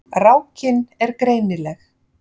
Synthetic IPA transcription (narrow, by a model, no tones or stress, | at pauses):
rawcɪnɛɾkɾeːjnɪlɛx